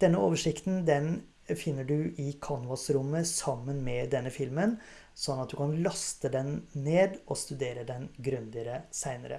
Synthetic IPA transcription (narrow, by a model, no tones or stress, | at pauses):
d̪̥ɛnːəo̰ːʋəʂɪkt̪n̩d̪ɛn | fɪnːəɖʉʔɪkʰɑnʋɑsɾʊmːəsɑmːənmɛd̪ɛnːəfɪlmən | sɔnːɑt̪̚d̪ʉkʰɑnlɑst̪əd̪ɛnːeːd̪ɔst̪ʉd̪eːɾəd̪ɛnɡɾʉnd̪ɪəɾəsæɪnəɾə̰